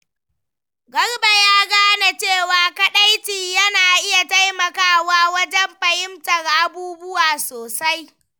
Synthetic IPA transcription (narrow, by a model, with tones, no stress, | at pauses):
ɡɐ˦rba˨jaː˦ɡaː˦na˨t͡ʃeː˦˨waː˨kɐ˦ɗa˦jtiː˨jɐ˦naː˨ʔɪ˦ja˨ta˦jmɐ˨kaː˦waː˦wɐ˦d͡ʒɛ˦mɸɐ˨jɪ˦mtɐ˨rʔa˦buː˦bʊ˦waː˨soː˨sa˦j